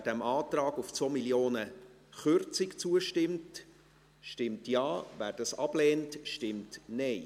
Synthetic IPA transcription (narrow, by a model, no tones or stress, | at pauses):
d̥æmɑːtrɑːɡuft͡somiljoːnə | χʏrt͡sɪkt͡suəʃtɪmt | ʃtɪmtjɑːvæːɾd̥ɑsɑb̥leːntʃtɪmtnɛɪ